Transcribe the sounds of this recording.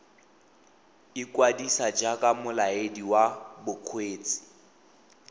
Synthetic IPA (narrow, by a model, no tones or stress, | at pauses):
ɪkʼwadisad͡ʒakʼamʊlaediwabʊq͡χʰweːt͡sʼi̥